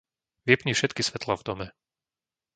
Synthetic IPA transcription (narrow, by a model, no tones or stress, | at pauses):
ʋjɛpɲifʃɛt̪kisʋɛt̪lavd̪ɔmɛ